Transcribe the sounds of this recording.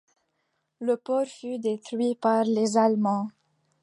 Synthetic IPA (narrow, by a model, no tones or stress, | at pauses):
ləpɔʁfyd̪et̪χɥipaʁlezalmɑ̃